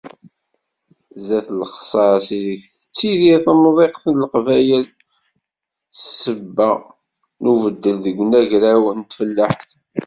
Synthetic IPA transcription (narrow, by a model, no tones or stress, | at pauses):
zæθlχsˤɑɾsiðəçθə̥t͡sːiðiθæmðˤeqθənlqvæjəl | səbːæ | nuvəd̪ːəlðəɡʷnæʝɾæwnt̪fəlːəħθ